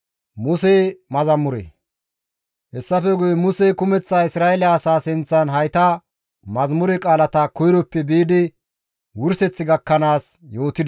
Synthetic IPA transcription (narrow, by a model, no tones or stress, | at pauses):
mʊseːmɐzɐmːʊɾɛ̰ | hɛsːɐfɛɡʊjɛmʊsekʊmɛt͡sːaːɪsɾaːɛlaːsaːsɪnt͡sːɐnɦɐjt̪a | mɐzmʊɾɛkʼaːlɐt̪akɔjɪɾɔpːɛbeːd̪ɪ | wʊɾsɛt͡sːɪɡɐkːɐnaːs | jo̞ːt̪ɪd̪ɐ